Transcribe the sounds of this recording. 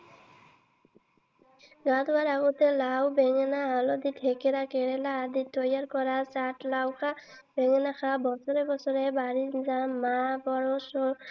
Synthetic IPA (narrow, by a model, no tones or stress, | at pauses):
ɡat̪waɾaɡɔt̪ɛlawbɛŋɛnaalɔd̪it̪ʰɛkɛɾakɛɹɛlaːd̪itɔjaɾkɔɾasatlawkʰa | b̥ɛŋɛnaxʰabɔsɔɾɛbɔsɔɾɛbaɹizamabɔɹɔsɔ